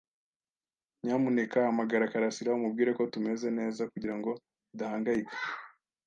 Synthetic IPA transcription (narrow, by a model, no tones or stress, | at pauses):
ɲaːmune̞kaamaɡaɾakaɾasiɾaumub̚ɡiːɾe̞ko̞tume̞ze̞ne̞ːzakuɟiɾaŋɡo̞ | idahaːŋɡajikḁ